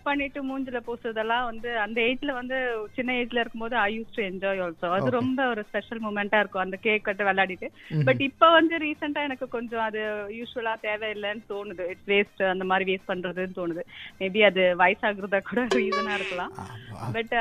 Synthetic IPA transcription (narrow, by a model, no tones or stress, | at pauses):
pɐɳːɪʈːɯmuːɲd͡ʒɪlɐpoːsɯɾɐðɐlːãːʋɐnd̪ɯɐnd̪ɐeːd͡ʒɪlɐʋɐnd̪ɯt͡ʃɪnːɐeːd͡ʒɪlɐɪɾɯkːɯmpoːðɯaɪjuːsʈuɛɲd͡ʒɔːɪɔːlsõːɐðɯɾɔmbɐɔɾɯspɛʂɐlmuːmɛɳʈaːɪɾɯkːʊ̃ɐnd̪ɐkeːkɐʈːɯʋɛlːaːɽɪʈːɯbɐʈːɪpːoːʋɐnd̪ɯɾiːsɐɳʈaːɛnɐkːɯkɔɲd͡ʒɔ̃ɐðɯjuːʂʊʋɐlaːt̪eːʋeɪlːɐnɯt̪oːnɯðɯɪʈsʋeːsʈɐnd̪ɐmaːd̪ɾiʋeːspɐɳːɾɐðɯnt̪oːnɯðɯmeːbiɐðɯʋɐɪsaːɣɪɾɐðakuːɽɐɾiːsɐnaːɪɾɯkːɐlãːbɐʈː